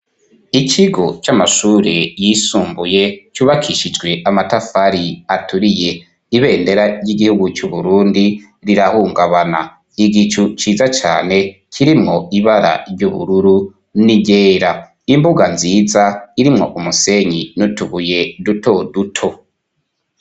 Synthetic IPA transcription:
iciɡo̞t͡ʃamaʃuːɾejisuːmbuje̞t͡ʃuːβakʰiʃid͡ʒɡwe̞ʔamatafaɾiatuɾije̞ | iβe̞ːnde̞ɾaɾjiɡihuɡut͡ʃuβuɾuːndi | ɾiɾahuːŋɡaβana | iɡit͡ʃut͡ʃiːzat͡ʃa̰ːne̞ | kʰiɾimŋo̞iβaɾa̰ɾjuβṵɾuɾu | niɟeːɾa | imbuɡanziːzaiɾimŋo̞ʔumuse̞ɲinutuβuje̞duto̞dutʰo̞

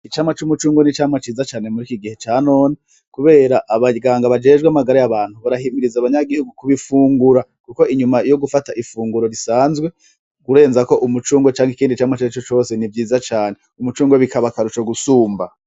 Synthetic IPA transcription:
it͡ʃaːmŋat͡ʃumut͡ʃuːŋɡo̞nit͡ʃaːmŋat͡ʃiːzat͡ʃaːne̞muɾikiɡihe̞t͡ʃaːno̞ːne | kuβe̞ːɾaʔaβaɡaːŋɡaβad͡ʒe̞ːʒɡwamaɡaɾajaβaːn̥huβaɾaɦimiɾizaβaɲaɡihuɡukuβifuːŋɡuɾakuko̞iɲumajo̞ɡufataʔifuːŋɡuɾo̞ɾisaːnzɡwe̞ | ɡ̥uɾe̞ːnzako̞ʔumut͡ʃuːŋɡo̞t͡ʃaːŋhikiːndit͡ʃaːmŋat͡ʃit͡ʃot͡ʃo̞ːse̞nivjiːzat͡ʃaːne̞ | umut͡ʃuːŋɡo̞βikʰaβakaɾut͡ʃoɡusuːmba

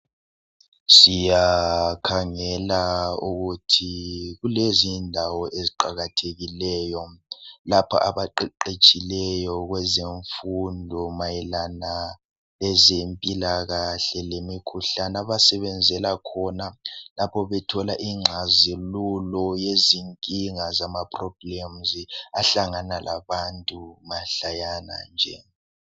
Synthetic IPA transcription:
sijakʰaŋɛlauɣutʰiɣulezindʱawɔʔeziǃaɣatʰeɣilɛːjɔlapʰa̰ʔa̰βaǃɛǃet͡ʃʼilɛjɔɣwɛzeɱfundʱɔmajɛlana | lɛzempʼilaɣaɬɛlemikʰuɬanaβasɛβɛnd͡zʱɛlakʰɔnalapʰɔβɛtʰɔlaʔiŋ͡ǁʱazilulɔjeziŋkʼiŋazamapʰʼrɔb̥lɛmziaɬaŋanalʔaβantʼumaɬajana̰nd͡ʒʱɛ̰

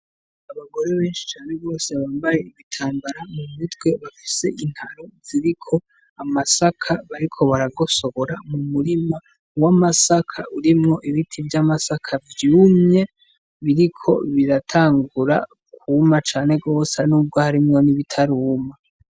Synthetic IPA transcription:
aβaɡo̞ɾe̞βe̞ːnʃi̥t͡ʃaːne̞βo̞ːse̞βaːmbaje̞iβitʰaːmbaɾamumitɡwe̞βafi̥se̞ʔin̥haɾoziɾikʰo̞ | amasakʰaβaɾikʰo̞βaɾaɡo̞so̞ɡoɾamumuɾima | wamasakʰa̰ʔuɾimŋo̞ʔiβitʰivjamasakʰavjuːmɲe̞ | βiɾikʰo̞̰βiɾatʰaːŋɡuɾa̰ | kuːmat͡ʃaːne̞ɡɡo̞ːsanuːb̚ɡo̞haɾimŋo̞niβitʰaɾuːma

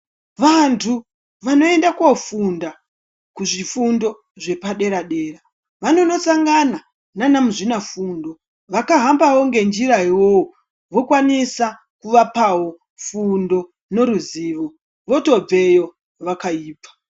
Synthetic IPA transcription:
ʋantʰu | ʋano̞e̞ndakwofunda | kuʐifundo̞ | ʐe̞paɗe̞ɾaɗe̞ːra | ʋano̞no̞saŋɡana | nanamuʐinafundo̞ | ʋakaɦambawo̞ŋɡe̞nd͡ʒiɾaɦiwowo | ʋo̞kwanisa | kuʋapawo̞ | fundo̞ | no̞ɾuziːʋo̞ | ʋo̞to̞b͡ve̞jo̞ | ʋakaiːpḁ

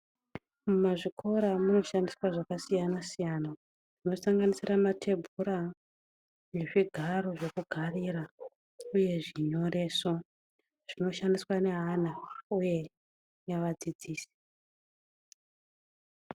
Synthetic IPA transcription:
mumaʐikʰo̞ɾamuno̞ʃandiswaʐakasijanasijana | ʐ̥ino̞saŋɡanisiramatʰe̞bʱuɾa | ne̞ʐiɡʱaɾo̞ʐe̞kuɡʱariːɾa | uje̞ʐiɲo̞ɾe̞ːso̞ | ʐ̥ino̞ʃandiswane̞ɦanauje̞ | jaʋad͡zid͡ziːsi̥

